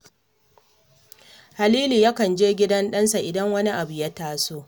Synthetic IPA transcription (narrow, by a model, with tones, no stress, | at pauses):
ha˨liː˦liː˨ja˦kɐ˨nd͡ʒeː˦ɡʲɪ˦dɐ˦nɗɐ˦nsa˨ʔɪ˨dɐ˦ŋwɐ˦ni˦ʔa˨bu˨jɐ˦taː˦soː˦